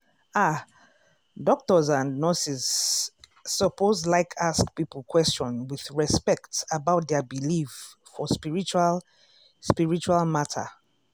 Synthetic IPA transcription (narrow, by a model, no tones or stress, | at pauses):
a | dɔk̚tɔzãnnɔsisː | ɔpozlaɪkʰaskpipl̩ˠkʰwɛst͡ʃɔ̃nwiðɹɛspɛktabaʊt̚ðɛbilif | fɔspiɹit͡ʃal | spiɹit͡ʃualˠmatʰə̰